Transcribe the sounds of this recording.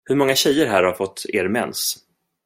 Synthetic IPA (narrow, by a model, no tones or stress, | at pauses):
hɵɾmɔŋːaɕɛjːəɾɦæːɾhaɾfɔt̪ʰːeːɾmɛ̰ns